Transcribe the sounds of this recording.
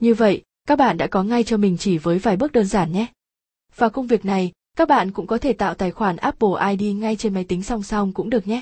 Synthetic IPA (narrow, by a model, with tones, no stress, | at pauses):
ɲɨ˧və̰˧˨j | kaː˦˥k̚ɓa̰ː˧˨nɗa̰ː˧˥kɔ˨˦ŋa˧jt͡ɕɔ˧mï˨˩ŋ̟t͡ɕi˧˩vəː˨˦jvaː˨˩jɓɨ˦˥ək̚ɗəː˧nzaː˧˩nɲɛ˦˥ | vaː˨˩kə˧wŋ͡mvi˨˩ək̚na˨˩j | kaː˦˥k̚ɓa̰ː˧˨nkʊ̰˧˥ŋ͡mkɔ˨˦t̪ʰe˧˩t̪a̰ː˧˨wt̪aː˧˩jxwaː˧˩nʔaː˦˥p̚ɓo˧˩ʔaː˧jɗi˧ŋa˧jt͡ɕe˧nma˨˦jt̪ï˨˦ŋ̟sa˧wŋ͡msa˧wŋ͡mkʊ̰˧˥ŋ͡mɗɨ˨˩ək̚ɲɛ˦